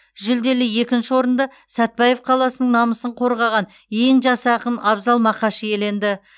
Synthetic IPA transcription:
ʒɪld̪e̞lɪje̞kʲɪnʃɪwo̞ɾənd̪ɑ | sæt̪̚bɑje̞fqʰɑlˠɑsənəɴnɑməsəɴqʰo̞ɾʁɑʁɑn | je̞ŋʒɑsəɑqəmɑbzɑlˠmɑqɑʃəje̞le̞nd̪ɪ

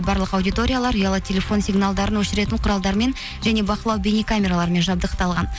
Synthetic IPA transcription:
bɑɾlˠəqɑwd̪ʲijt̪o̞ɾʲijalˠɑɾujɑlˠət̪ʲʰe̞lʲe̞fo̞nsʲiɡnalˠd̪ɑɾənwɵʃɪɾe̞t̪ɪɴqʰʊɾɑlˠd̪ɑɾme̞n | ʒæne̞bɑqəlˠɑwbʲenikʰamʲe̞ɾalˠɑɾəme̞nʒɑbd̪əqt̪ɑlˠʁɑn

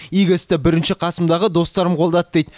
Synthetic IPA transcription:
ijɡʲɪst̪ɪbɪɾɪnʃɪqʰɑsəmd̪ɑʁəd̪o̞st̪ɑɾəmqʰo̞lˠd̪ɑt̪d̪ejt̪

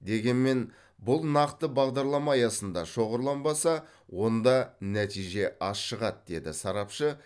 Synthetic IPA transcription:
d̪e̞ɡʲe̞nme̞n | bʊlˠnɑqt̪əbɑʁd̪ɑɾlˠɑmɑjɑsənd̪ɑʃo̞ʁəɾlˠɑnbɑsɑ | wo̞nd̪ɑnæt̪ijʒe̞ʔɑsʃəʁɑt̪̚d̪e̞d̪ɪsɑɾɑpʃə

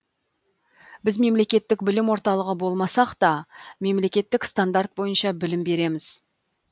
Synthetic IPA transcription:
bɪzme̞mle̞kʲe̞t̪ːɪkbɪlɪmwo̞ɾt̪ɑlˠəʁəbo̞lˠmɑsɑqt̪ɑme̞mle̞kʲe̞t̪ːɪkst̪and̪art̪̚bo̞jənʃɑbɪlɪmbe̞ɾe̞mɪz̥

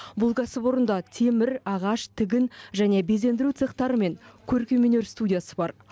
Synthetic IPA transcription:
bʊlˠɡɑsəbo̞ɾənd̪ɑt̪ʰe̞mɪɾɑʁɑʃt̪ʰɪɡʲɪnʒæne̞be̞ze̞nd̪ɪɾut̪seqt̪ɑɾəme̞ŋkʲʰɵɾkʲemene̞ɾst̪udʲijasəbɑɾ

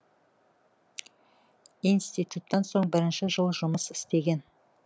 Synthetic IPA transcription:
ijnst̪ijt̪ut̪ːɑnso̞ɴbɪɾɪnʃɪʒəlˠʒʊməsɪ̥st̪e̞ɡʲe̞n

